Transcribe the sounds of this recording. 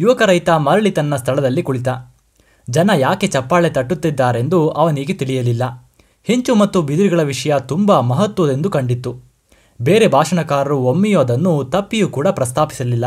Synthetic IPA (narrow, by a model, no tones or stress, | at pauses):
juʋɐkɐɾɐjt̪ɐmɐɾɐɭit̪ɐnːɐst̪ʰɐɭɐd̪ɐlːikuɭit̪ɐ | d͡ʒɐnɐjaːket͡ʃɐpːaːɭet̪ɐʈːut̪ːid̪ːaːɾe̞nd̪uɐʋɐniɡet̪iɭijɐlilːɐ | he̞ɲt͡ʃumɐt̪ːubid̪ɾiɡɐɭɐʋiʂɐjɐt̪umbɐmɐɦɐt̪ʋɐd̪e̞nd̪ukɐɳɖit̪ːu | beːɾebʱaːʂɐnɐkaːɾɐɾuomːijoːɐd̪ɐnːut̪ɐpːijukuːɽɐpɾɐst̪ʰaːpi̥sɐlilːɐ